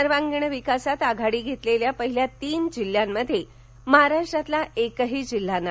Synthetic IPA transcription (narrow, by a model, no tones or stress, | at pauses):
əɾʋaŋɡɳəʋikasat̪aɡʱaɽiːɡʱet̪leljapəɦiljat̪iːnd͡ʑil̤ːjamːəd̪ʱːje | məɦaɾaʂʈɾat̪laʔekəɦiːd͡ʑil̤ːanːa